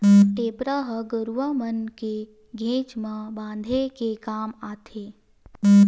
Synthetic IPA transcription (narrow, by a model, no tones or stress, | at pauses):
ʈeːpɾaɦəɡəɾuʋamənke | ɡʱẽːt͡ʃmãbãːn̆d̪ʱekekaːmaːt̪ʰeː